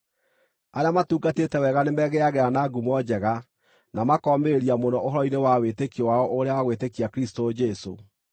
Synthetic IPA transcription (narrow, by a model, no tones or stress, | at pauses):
aɾeamatuːɡatetɛwɛɣanemɛɣeaɣɛanaɡumwɔd͡ʑɛɣa | namakɔmeɾeɾiamonɔoɦɔɾɔinewawetekiowaɔʔoɾeawaɣwetekiakɾistod͡ʒɛso̰